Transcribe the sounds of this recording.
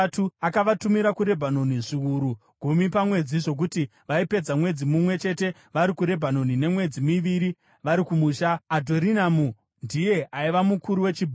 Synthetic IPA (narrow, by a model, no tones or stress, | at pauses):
tuakaʋatumiɾakuɾe̞bʱano̞niʐiuɾu | ɡ̥ʱumipamwe̞d͡ziʐo̞k̬uti | ʋaipe̞d͡zamwe̞d͡zimumwe̞t͡ʃe̞te̞ | ʋaɾikuɾe̞bʱano̞nine̞mwe̞d͡zimiʋiɾi | ʋaɾikumuːʃaːdʱo̞ɾinamu | ndije̞ʔaiʋamukuɾuwe̞t͡ʃibʱ